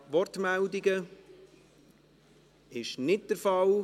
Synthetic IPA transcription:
ʋɔrtmældiɡə | ɪʃnɪt̚d̥əɾfɑl

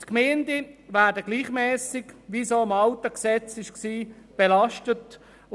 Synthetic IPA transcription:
tkmɛːndevæːɾdəɡliːχmɛːsɪkʋisoːɪmɑltəksɛt͡sɪʃksiːb̥elɑʃtət

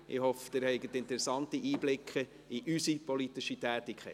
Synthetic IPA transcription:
ʔɪ̰hɔfə̥d̥ɪɾhɛɪɡətɪntɛɾɛsɑntiʔiːblɪkʰχə | iʔysipɔlitɪʃitæːtɪkʰχɛ̰

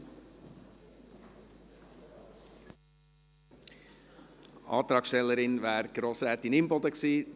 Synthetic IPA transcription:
ʔɑ̰ːt̪ɾɑːkʃtɛlːəɾɪnʋæːɾɡ̥ɾoːsɾɛt̪ɪnɪmbod̪əksiː

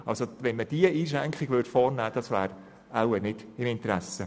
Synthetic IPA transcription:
ɑlsoʋɛnməd̥iəiːʃ̬ɾæŋkχɪɡʋʏrtfɔːɾnæːd̥ɑsʋæːɾ | æwənɪd̥ɪmɪntɾæsːə

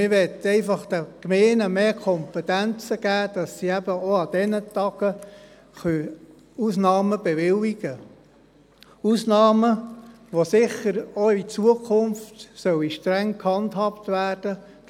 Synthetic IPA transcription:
mɪʋɛt̪ːɛɪfɑχd̥̪əkmeːnəmeːkʰɔmpɛt̪ænt͡səɡ̥æːd̪̥ɑsːiæb̥əoɑd̪̥ɛnət̪ɑɡ̥ə | χœ | usnɑːməbɛʋɪliɡ̥ə | usnɑːmə | ʋosɪχəɾoit͡suəkʰʊnftsœwiʃtɾæŋkhɑnt̪hɑptʋæːrd̥ə

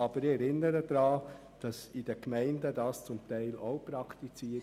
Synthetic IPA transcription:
ɑb̥əɾɪɛɾɪnəɾəd̥̪ɾɑː | d̥ɑsid̥ɛkmæɪndədɑːst͡sʊmtæɪloʊpɾɑkʰt̪it͡siːə

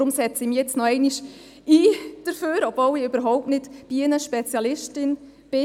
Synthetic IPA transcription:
ɾʊmsɛt͡sɪmjɛt͡snɔɛɪniʃ | iːd̥əɾføːɾɔbvowɪøbəɾɦɔwp̚tnɪtb̥iɪnəʃpɛt͡sjɑlɪʃtɪn | b̥ɪ

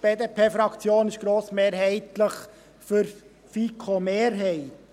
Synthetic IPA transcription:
b̥eːd̪eːpʰeːfɾɑkt͡sjoːnɪʃɡ̥ɾoːsmeːɾɦɛɪt̪ləχ | fʏɾ | fikʰomeːɾɦɛɪt

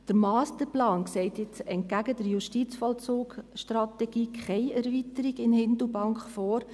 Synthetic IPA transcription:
d̥əɾmɑːst̪əɾplɑːnksɛɪtjɪt͡sɛnt̚ɡæɡəd̥əɾjuʃtit͡sfɔlt͡soːɡʃtrɑtɛɡ̥iːkʰχɛɪɛɾvitəɾiɡɪnhɪndubɑŋkχfɔːɾ

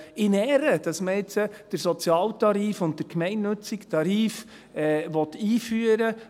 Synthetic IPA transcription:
ɪnɛɾəd̥ɑsməɪt͡səd̥əɾsɔt͡sjɑːltɑɾiːfʊnt̚dəɾkmɛɪnnɵt͡sɪktʰɑɾiːf | ɛːʋɔt̪iːfyːəɾə

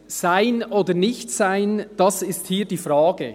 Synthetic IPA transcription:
z̥aɪnʔoːdənɪçtsaɪnd̥ɑsɪsthiːdiːfraːɡə

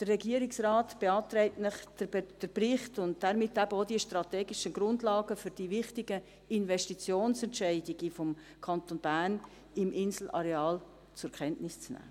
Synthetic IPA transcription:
d̥ərɛɡiːəɾɪksrɑːtb̥eɑːtɾɛɪtnɪχd̥d̥əprɪχtʊnt̚d̥ɛɾmɪtːæbəodiəʃtrɑtɛːɡɪʃənɡɾʊndlɑːɡəfʏɾd̥iːvɪχtɪɡə | ɪnvɛʃtit͡sjoːnsɛntʃɛɪdiɡ̥əfɔm | kʰɑntonbæɾn | ɪmʔɪnzl̩ʔɑ̰ɾeɑːl | t͡sʊɾkʰɛntnɪst͡snæ̰ː

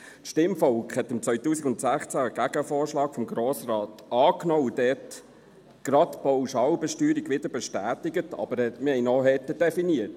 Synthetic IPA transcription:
tʃtɪmfɔlkχhɛtɪmt͡sʋœʏtuːsikʊntsæχt͡sæɡ̥æɡ̥əfoːɾʃlɑːkfɔmɡɾoːsrɑːtɑːknoːud̥ɛt | ɡ̥ɾɑtb̥ɔwʃɑwbɛʃtyːɾiɡʋɪd̥̪əɾbɛʃtæːtɪɡətɑ̰bəɾɛmɪhɛɪnɔɦɛtəd̥ɛfiniːət

